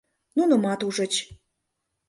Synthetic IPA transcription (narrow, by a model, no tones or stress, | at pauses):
nunomɑt̪uʐə̆t͡ɕ